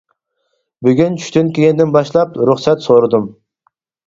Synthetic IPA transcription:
byɡʲynt͡ʃʰy̥ʃt̪ynkʲeɡʲɛnd̪ɪnbɑʃlˠɑpɾʊχsɛt̪soɾɨd̪um

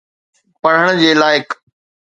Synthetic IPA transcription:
pɐɽ̤əɽ̃d͡ʑeːlaːɪk

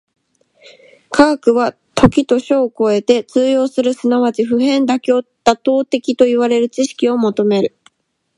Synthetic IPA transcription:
kʰaːkɯ̟βa | t̪ʰo̞kʲit̪o̞ɕo̞ːko̞e̞t̪e̞t͡sɨːjo̞ːsɨɾɯ̟sɨnaβat͡ɕiɸɯ̟ɦẽ̞nd̪akʲot̪ːat̪o̞ːt̪e̞kʲit̪o̞iβaɾe̞ɾɯ̟t͡ɕiɕi̥kʲio̞mo̞t̪o̞me̞ɾɯ̟

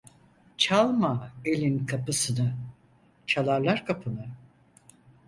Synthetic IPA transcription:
t͡ʃʰalˠmaelʲinkʰapɯsɯnɯ | t͡ʃʰalˠaɾlˠaɾkʰapʰɯnɯ

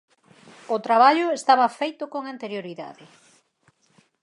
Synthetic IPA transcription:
ʊt̪ɾaβ̞aʎʊest̪aβɐfejt̪ʊkoŋant̪eɾjoɾiða̰ðɪ

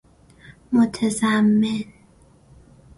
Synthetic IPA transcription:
mot̪ʰæzæmːen

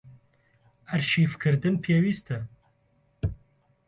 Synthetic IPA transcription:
ɐɾʃiːfkʰɨɾd̪ɨnpʰeːwiːst̪ɨ

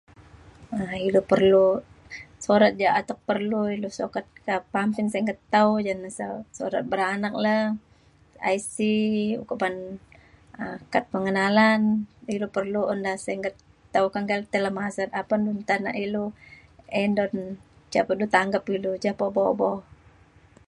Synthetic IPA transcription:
əilupərlu | soɾat̪̚d͡ʒaat̪ak̚pərluilusokat̪̚kapampɪnsɛŋɡət̪ːaud͡ʒansasoɾa̰t̪̚bəɾanak̚la | a̰jsiṵkupan | əkat̪̚pəŋənalanilupərluɔndahsɛŋɡət̪ː | aukaŋɡalt̪əlamasat̪apandɔnt̪ana̰ʔilu | endɔn | t͡ʃapədut̪aŋɡapilud͡ʒapobobɔ

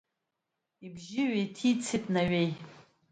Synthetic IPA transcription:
ibʒɪɥejtʰit͡sʰitʼnaɥej

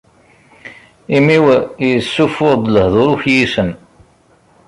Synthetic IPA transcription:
imiwəjsːufʊɾˤd̪ləhðˤoɾuçjisən

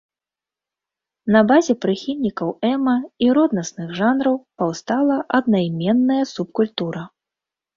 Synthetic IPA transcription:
nɐbazʲɛpɾɨxʲilʲnʲikɐwɛmɐiɾɔd̪nɐsnɨɣʐanɾɐwpawst̪alˠɐʔɐd̪̚najmʲɛnːɐjɐsup̚kulʲt̪uɾɐ

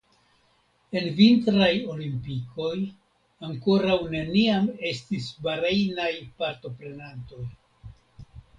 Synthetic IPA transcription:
e̞nvintɾajo̞limpiko̞j | aŋko̞ɾawne̞niame̞stisbaɾejnajpaɾto̞pɾe̞nanto̞j

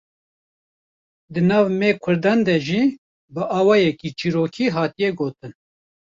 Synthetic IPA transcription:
d̪ɨnɑːvmeːkʰʊɾd̪ɑːnd̪ɛʒiː | bɨʔɑːwɑːjɛkiːt͡ʃiːɾoːkʰiːɦɑːt̪ijɛɡoːt̪ɨn

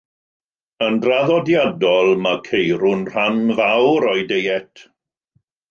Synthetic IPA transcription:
əndraðɔdjadɔlˠmakʰejɾʊnr̥anvawɾɔjdejɛtʰ

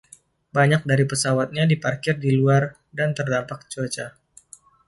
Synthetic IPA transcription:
baɲak̚daɾipəsawat̪̚ɲadiparkɪrdiluar | dant̪ərdampak̚t͡ʃot͡ʃa

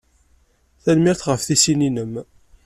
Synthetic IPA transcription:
θænmɪɾθʁəfθisininəm

